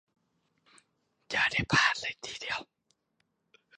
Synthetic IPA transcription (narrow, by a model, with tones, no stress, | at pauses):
jaː˨˩da˥˩jpʰaː˧˩t̪̚la˧˩jt̪ʰiː˨di˨əw